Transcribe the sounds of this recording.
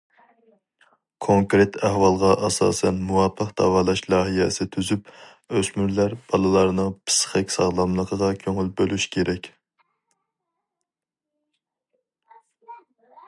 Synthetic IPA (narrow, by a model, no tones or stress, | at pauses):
kʰoŋkɾet̪ʰæhwɑlˠʁɑʔɑsɑ̰ːsɛnmuwɑpʰːəqd̪ɑ̰wɑːlˠɑʃlˠɑːɦijɛsɪt̪ʰyzyp | øsmyɾlæɾb̥ɑlˠɨlˠɑɾnɨŋpʰɨ̥sχɛkʲsɑʁlˠɑmlˠəqʰəʁɑkʲʰøŋylbølyʃkʲʰeɾʔɛkʲ